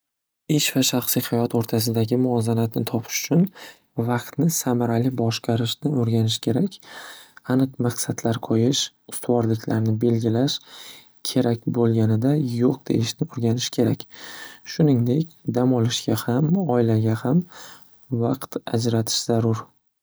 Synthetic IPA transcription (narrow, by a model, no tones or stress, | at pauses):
eʃvaʃaχsijhajɒt̪oɾt̪ʰas̬ɪd̪aɡʲɪmʊɒzanat̪nɪ̰t̪ʰɒpʰɪ̥ʃʊ̥t͡ʃʰʊn | vɑqt̪nɪsamaɾalɪbɒʃqʰɑɾɪʃnɪoɾɡʲanɪʃkʲʰe̞ɾakʲ | anɨqmaqsad̪laɾqʰojɪʃ | ʊ̥st̪ʰwɒɾlɪkʲʰlaɾnɪbe̞lɡʲɪlaʃ | kʲʰe̞ɾakʲbolˠɡʲanɪd̪ajoq̚d̪̥ḛɪʃnɪoɾɡʲanɪʃkʲʰe̞ɾakʲʃʊnɪŋd̪e̞kʲd̪amɒlˠɪʃɡʲahamɒɪlaɡʲaham | vaqt̪a̰d͡ʒɾat̪ʰɪ̥ʃz̥aɾʊɾ